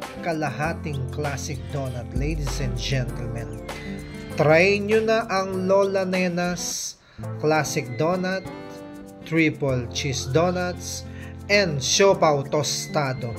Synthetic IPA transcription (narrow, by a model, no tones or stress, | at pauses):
kɐlɐɦat̪ɪŋklasɪk̚d̪onɐt̪lejd̪isɛ̃nd̪d͡ʒɛnt̪ɛlmɛ̃n | t̪ɾajɲonɐʔɐŋlolɐnɛnɐs | klasɪk̚d̪onɐld̪̚ | ɹipolt͡ʃisd̪onɐld̪s | ʔɛ̃nd̪ʃopawt̪ost̪ad̪o